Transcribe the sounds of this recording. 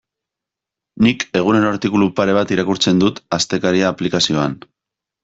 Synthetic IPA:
nike̞ɣ̞une̞ɾo̞aɾt̪ikulupaɾe̞β̞at̪iɾakuɾt͡se̞nd̪ut̪ast̪e̞kaɾiaːplikasio̞an

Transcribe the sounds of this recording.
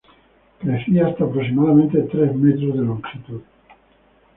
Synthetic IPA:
kɾeθiaːst̪aːpɾos̬imaðamẽnt̪et̪ɾezmet̪ɾozðeloŋsit̪uð

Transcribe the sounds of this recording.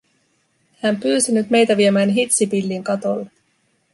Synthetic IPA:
hæmpyːsinyt̪me̞jt̪æʋiemæːnɦit̪sipilːiːŋkɑt̪o̞̰lːe

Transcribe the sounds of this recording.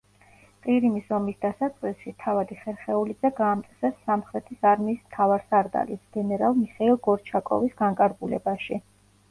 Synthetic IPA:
qʼiɾimisɔmisd̪asasʼχʼisʃit̪ʰavad̪iχɛɾχɛulid̪zɛɡaːmt̪ʼsɛsːamχɾɛt̪ʰisaɾmiːsmt̪ʰavaɾsaɾd̪a̰lisɡ̥ɛnɛɾalˠmiχɛilˠɡɔɾt͡ʃʰakʼɔ̰visɡaŋkʼaɾɡulɛ̰baʃi

